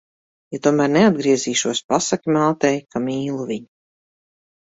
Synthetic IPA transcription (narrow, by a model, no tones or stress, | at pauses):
jat̪uɔmæːɾnead̪̚ɡɾiɛziːʃuɔspasakʲimalˠt̪ɛjkamiːlˠuvʲiɲu